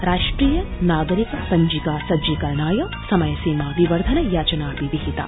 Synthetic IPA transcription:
ɾaːʂʈɾiːjɐnaːɡɐɾikɐsɐɲd͡ʒikaːsɐd͡ʒikɐɾɳaːjɐ | sɐmɐjɐsiːmaːʋiʋɐɾd̪ʱɐnɐjaːt͡ʃɐnaːpiʋiɦit̪a̰

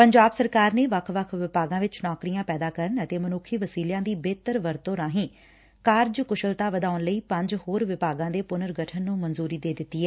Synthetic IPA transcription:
pəɲd͡ʒaːbsəɾkaːɾneːʋəkʰʋəkʰʋɪpaːɡãːʋɪt͡ʃnɔːkɾijãːpɛːd̪aːkəɾənət̪eːmənʊkʰːiːʋəsiːljãːd̪iːbeːt̪əɾʋəɾt̪õːɾãːɦĩː | kaːɾd͡ʒkʊʃəlt̪aːʋəd̪aːʊnləiːpə̃ɲd͡ʒhoːɾʋɪpaːɡãːd̪eːpʊnəɾɡəʈʰənːũːmənzuːɾiːd̪eːd̪ɪt̪ːiːɦɛː

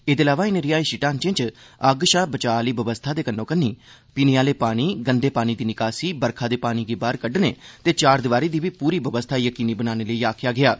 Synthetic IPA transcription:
eːd̪eːlaːʋaːɪnɾɪjaːiːʃɪʈaːnt͡ʃɪ̃t͡ʃəɡʃaːbət͡ʃaːliːbəʋəst̪ʰaːd̪eːkənːõːkənːiː | piːnɪjaːleːpaːɽ̃iːɡənd̪eːpaːñiːd̪iːnɪkaːsiːbəɾkʰaːd̪eːpaːñiːɡɪbaːɾkəɖnḛːt̪eːt͡ʃaːɾd̪ɪʋaːɾiːd̪iːbiːpuːɾiːbəʋəst̪ʰaːjəkiːniːbənaːneːləiːaːkʰjaːɡɪaː

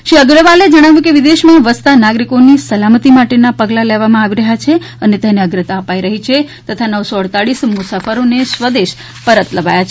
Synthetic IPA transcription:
ʃiəɡɾəʋaled͡ʒəɽ̃aʋjũkeʋid̪eʃmãʋəst̪anaɡɾikonisəlamət̪imaʈenapəɡlaleʋamãaʋiɾəɦjat͡ʃʰe | ənet̪ɛneəɡɾət̪aəpaiɾəɦit͡ʃʰet̪ət̪ʰanəʋsoəɽt̪aɽismʊsafəɾonesʋəd̪eʃ | pəɾət̪ləʋajat͡ʃʰ

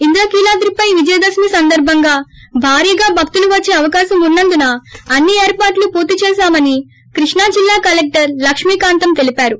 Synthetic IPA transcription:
ind̪uɾɐːkiːlaːd̪ɾipɐjʋid͡ʒɐjɐd̪ɐsmisɐnd̪ɐɾbʱɐŋɡaːbʱaːɾijɐɡaːbʱɐk̚t̪uluʋɐt͡ʃːeːɐʋɐkaːʃɐmunːɐnd̪unɐɐnːieːɾpaːʈlupoːt̪it͡ʃɛːʃaːmɐni | kɾiʂɳaːd͡ʒilːaːkɐlek̚ʈɐɾlɐkʂmiːkaːnt̪ɐmt̪e̞lipaːɾu

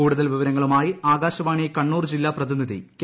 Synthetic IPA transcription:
uːɽuðɐlʋiʋɐɾɐŋːɐɭumaːjiaːɡaːɕɐʋaːɳijekɐɳːuːrd͡ʑilːaːprɐðinːiðḭk

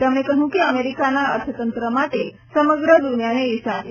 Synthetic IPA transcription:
t̪emnekəɦũkeəmeɾikanaə̰ɾt̪ʰət̪ənt̪ɾəmaʈe | səməɡɾəd̪unjaneːsa

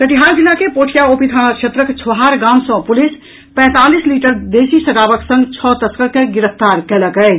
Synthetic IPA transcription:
kəʈiɦaɾd͡ʒilːakepoʈʰijaopit̪ʰanakt͡ʃʰet̪ɾəkt͡ʃʰʋɦaɾɡamsə̃pulis | pɛ̃t̪alisliʈəɾd̪esisəɡabəksə̃ŋɡt͡ʃʰɔt̪əskəɾkeɡiɾəpʰt̪aɾkɛləkɛj

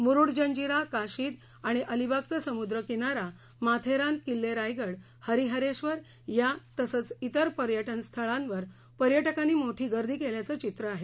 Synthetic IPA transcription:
muɾuɽd͡ʑəɲd͡ʑiɾakaɕiːd̪ | aɽ̃iʔəlibaɡ̚t͡səsəmud̪ɾəkinaɾa | mat̪ʰeɾan̚kilːeɾajɡəɽ | həɾiɦəɾeɕʋəɾ | jat̪əsət͡sit̪əɾpəɾjəʈənst̪ʰəɭãnʋəɾ | pəɾjəʈəkaniːmoʈʰiːɡəɾd̪ʱiːkeljat͡sət͡ɕit̪ɾəaɦe

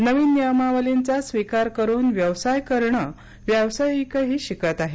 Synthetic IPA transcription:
nəʋiːnjəmaʋəlint͡sasʋikaɾkəɾuːnʋjəʋsajkəɾɳə | ʋjəwsajikəɦiːɕikət̪aɦe

